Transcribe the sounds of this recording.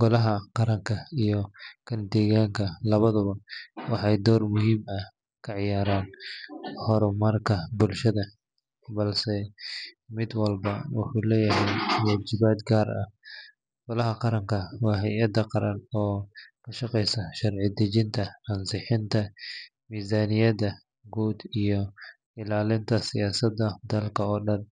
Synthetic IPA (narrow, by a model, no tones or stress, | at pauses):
ɡ̥ɔlɐɦɐqɑɾɐŋkʰɐijɔkʰɐnd̪ɛːɣaːŋkʰɐlɐβɐðʊβɐwɑħɑjd̪ɔːrmʊɦiːmɐh | kʰɐʕɪjaːɾaːn | hɔɾʊmɐrkʰɐbʊlʃɐðɐ | bɐlsɛ | mɪd̪wɐlbɐwɑ̰ħuːlɛːjɐɦɛjwaːd͡ʒɪbaːd̪ɡaːɾɐ̰h | ɡɔlɐɦɐqɑɾɐŋkʰɐwɑːɦɛjɐd̪ɐqɑɾɐnɔːkʰɐʃɑqɛjsɐʃɐrʕɪd̪ɪd͡ʒɪnt̪ʰɐɐnsɪħɪnt̪ʰɐ | miːzaːnɪjɐd̪ɐ | ɡuːd̪ijɔ | ɪlaːlɪnt̪ʰɐsɪjaːsɐd̪ɐd̪ɐlkʰɐɔːɖɐn